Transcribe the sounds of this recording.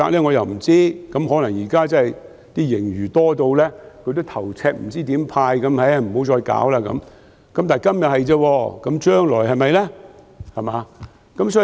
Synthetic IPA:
a̰ː˧k̚lɛː˥ŋɔ˨˧jɐ˨wm̩˨˩t͡siː˥kɐ˨˦˥mɦɔː˨˥nɐ˨˩ŋjiː˨˩kaː˥t͡sɐ˥hɐ˨j | t̪iː˥jɪ˨˩ŋjyː˨˩t̪ɔː˥t̪o˧wlɛː˥kʰɵ˧t̪o˥wt̪ʰɐ˨˩wt͡sʰɛː˧k̚m̩˨˩t͡siː˥t̪iː˨˥mpʰaː˧jkɐ˨˥mhɐ˨˥jm̩˨˩ho˨˥wt͡ʃɔː˧jka̰ː˨˥wlaː˧kɐ̰˨˧˥m | kɐ˨˥mt̪aː˨˩jkɐ˥mjɐ˨t̚hɐ˨jt͡sɛː˧wɔː˧kɐ˨˦˥mt͡ʃœː˥ŋlɔː˨˩jɦɐ˨jmɐ˨jlɛ˥ | hɐ˨˩maː˨ | kɐ˨˥msɔː˨˥

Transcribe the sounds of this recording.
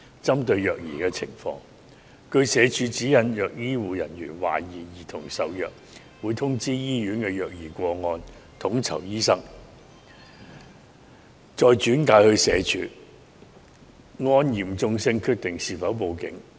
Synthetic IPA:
t͡sɐ˥mt̪ɵ˧ɥjœː˨k̚jiː˨˩kɛː˧t͡sʰɪ̰˨˩ŋfɔ̰ː˧ŋ | kɵ˧ɥsɛː˨˧t͡ʃʰyː˨˧t͡siː˨˥jɐ˨˧njœː˨k̚jiː˥wuː˨˧jɐ˨˩njyː˨˩nwa̰ː˨˩jiː˨˩jiː˨˩t̪ʰʊ˨˩ŋsɐ˨˧wjœː˨k̚ | wuː˨˧jt̪ʰʊ˥ŋt͡siː˥jiː˥jyː˨˥nkɛː˧jœː˨k̚jiː˨˩kʷɔː˧ŋɔː˧nt̪ʰʊ˨˥ŋt͡sʰɐ̰˨˩wjiː˥sɐ˥ŋ | t͡sɔː˨˧jt͡ʃyː˨˥nkaː˧jhɵ˧ɥsɛː˨˧t͡ʃʰy̰ː˨˥ | ŋɔː˧njiː˨˩mt͡sʊ˧ŋsɪ˧ŋkʰyː˧k̚t̪ɪ˨˩ŋsiː˨fɐ˨˥wpo˨˧wkɪ̰˨˥ŋ

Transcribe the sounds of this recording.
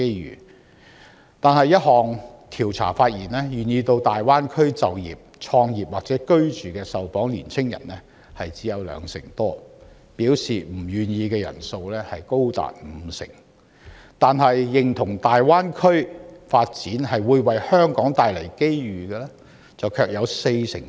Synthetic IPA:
ke˥jjy̰ː˨˩ | t̪aː˨nɦɐ˨jɐ˥t̚ɦɔː˨ŋt̪ʰiː˨˩wt͡sʰa̰ː˨˩faː˧t̚jiː˨˩nɛː˥jyː˨˩njiː˧t̪o˧wt̪aː˨jwaː˥nkʰɵ˥ɥt͡sɐ˨wjḭː˨p̚t͡ʃʰɔː˧ŋjiː˨˩p̚waː˨k̚t͡sɛː˨˥kɵ˥ɥt͡ʃyː˨kɛː˧sɐ˨wfɔː˨˥ŋliː˨˩nt͡sʰɪ˥ŋjɐ̰˨˩nlɛː˥ | hɐ˨jt͡siː˨˥jɐ˨˧wlœ̰ː˨˧ŋsɪ̰˨˩ŋt̪ɔː˥ | piː˨˥wsiː˨m̩˨˩jyː˨˩njiː˧kɛː˧jɐ̰˨˩nso˧wlɛː˥hɐ˨jko˥wt̪a̰ː˨t̚m̩˨˧˦sɪ̰˨˩ŋ | t̪aː˨nɦɐ˨jːɪ˨ŋt̪ʰʊ˨˩ŋt̪aː˨jwaː˥nkʰɵ˥ɥfaː˧t̚t͡siː˨˥nɦɐ˨jwuː˨˧jwɐ˨jhœː˥ŋkɔː˨˥ŋt̪aː˨˩jlɐ˨˩jke˥jɥyː˨ɡɛː˧lɛ˥ | t͡sɐ˨wkʰœː˧k̚jɐ˨˧wse˧jsɪ̰˨˩ŋ

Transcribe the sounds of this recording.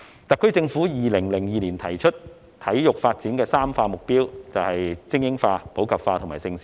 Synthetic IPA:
t̪ɐ˨kʰːɵ˥ɥt͡sɪ˧ŋfuː˨˥jiː˨lɪ˨˩ŋlɪ˨˩ŋjiː˨˧liː˨˩nt̪ʰɐ˨˩jt͡ʃʰɵ˥t̚ | t̪ʰɐ˨˥jjʊ˨k̚faː˧t̚t͡siː˨˥nkɛː˧saː˥mfaː˧mʊ˨k̚piː˥wt͡sɐ˨whɐ˨jt͡sɪ˥ŋjɪ˥ŋfaː˧po˨˥wkɐ˨p̚faː˧t̪ʰʊ˨˩ŋmaː˨˩jsɪ˧ŋsiː˨˥

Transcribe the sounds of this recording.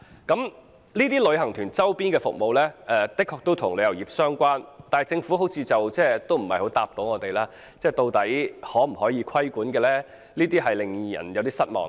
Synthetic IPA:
kɐ˨˥m | liː˥t̪iː˥lɵ˨˧ɥɦɐ˨˩ŋt̪ʰyː˨˩nt͡sɐ˥wpiː˥nkɛː˧fʊ̰˨k̚mo˨wlɛː˥ʔɛ˨˧t̪ɪ˥kʰːɔː˧k̚t̪o˥wt̪ʰʊ˨˩ŋle˨˧jɐ˨˩jiː˨p̚sœː˥ŋkʷaː˥nt̪aː˨˩jt͡sɪ˧ŋfuː˨˥ɦo˨˥wt͡sʰiː˧t͡sɐ˨wt͡sɛː˥t̪o˥wm̩˨˩hɐ˨jho˨˥wt̪aː˨p̚t̪o˨˧˥wŋɔː˨˧t̪e˨jlaː˥ | t͡sɛː˥˩t̪o˧wt̪ɐ˨˥jhɔː˨˥m̩˨˩hɔː˨˥jiː˨˧kʷʰɐ˥jkuː˨˥nkɛː˧lɛː˥ | liː˥t̪iː˥ɦɐ˨jlɪ˨ŋjɐ̰˨˩njɐ˨˧wt̪iː˥sɐ˥t̚mɔ̰ː˨ŋ

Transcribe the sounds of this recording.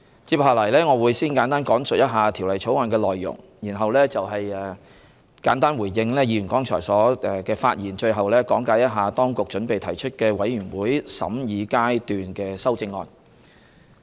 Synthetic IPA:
t͡siː˧p̚haː˨˩lɐ˨˩jlɛː˥ŋɔː˨˧wuː˨˧jsiː˥nkaː˨˥nt̪aː˥nkɔː˨˥ŋsɵ˨t̚jɐ˥t̚ɦaː˨˧t̪ʰi˨˩wlɐ˨˩jt͡ʃʰo˨˥wŋɔː˧nkɛː˧lɔː˨jːʊ̰˨˩ŋ | jiː˨˩nɦɐ˨wlɛː˥t͡sɐ˨wɦɐ˨jɛ˨ | kaː˨˥nt̪aː˥nwuː˨˩jjɪ˧ŋlɛː˥jiː˨˧jy˨˩kɔː˥ŋt͡ʃʰɔ̰ː˨˩jsɔː˨˥ɛ˨kɛː˧faː˧t̚jiː˨˩nt͡ʃɵ˧ɥɦɐ˨wlɛː˥kɔː˨˥ŋkaː˨˧˥jɐ˥t̚ɦaː˨t̪ɔː˥ŋkʊ˨k̚t͡ʃɵ˨˥npe˨jt̪ʰɐ˨˩jt͡ʃʰɵ˥t̚kɛː˧wɐ˨˥jɥyː˨˩nwuː˨˥jsɐ̰˨˥mjiː˨˧kaː˥jt̪yː˨nkɛː˧sɐ˥wt͡sɪ˧ŋːɔ̰ː˧n

